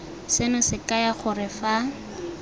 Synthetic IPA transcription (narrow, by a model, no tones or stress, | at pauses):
sɪnʊsɪkajaχʊrɪfa